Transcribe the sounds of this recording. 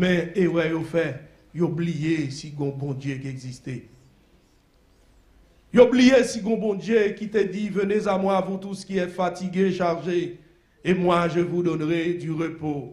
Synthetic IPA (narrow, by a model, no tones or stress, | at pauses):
mɛ̃ewɛjofɛ | joblijesiɡɔ̃bɔ̃d̪jekiɛɡzist̪ɛ | joblijesiɡɔ̃bɔ̃d̪jekit̪ɛd̪ivənezamwavut̪uskʲiɛfat̪iɡeʃaʁʒe | emwaʒəvud̪ɔnʁɛd̪yʁəpo